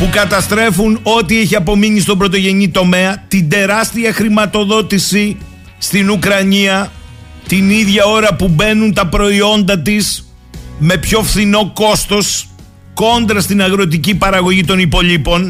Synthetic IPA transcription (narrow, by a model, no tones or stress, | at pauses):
pukɐt̪ɐst̪ɾe̞funo̞t̪ieçiɐpo̞miɲist̪o̞mbɾo̞t̪̬o̞ʝe̞ɲit̪o̞me̞ɐt̪ind̪e̞ɾɐst̪iɐxɾimɐt̪o̞ðo̞t̪isi | st̪inukɾɐɲiɐ | t̪iniðʝɐo̞ɾɐpube̞nunt̪ɐpɾo̞io̞nd̪ɐt̪is | me̞pço̞fθino̞ko̞st̪o̞s | ko̞nd̪ɾɐst̪inɐɣɾo̞t̪̬icipɐɾɐɣo̞ʝit̪o̞nipo̞ʎipo̞n